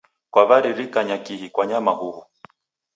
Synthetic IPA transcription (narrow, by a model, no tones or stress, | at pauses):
kwaβaɾiɾikaɲakiɦikwaɲamahuhu